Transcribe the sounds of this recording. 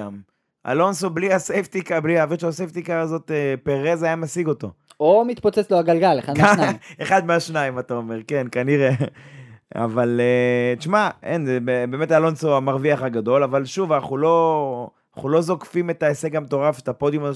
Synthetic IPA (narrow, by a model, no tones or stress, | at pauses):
am | a̰lo̞nsobliasejft̪ikabliaviʃasejft̪ikazo̞t̪epeʁezajamasiɡo̞to̞ | omit̪pot͡set͡sloaɡalɡalḛχad̪mkaaeχad̪meaʃnaimat̪aome̞ʁke̞nkaniʁe | a̰valet͡ʃmaenzebebe̞ːmetalo̞nsoamaʁviaχaɡad̪o̞lavalʃuvanaχulo̞ | aχulo̞zo̞kfime̞taesekamt̪o̞ʁafetapo̞d̪jomazo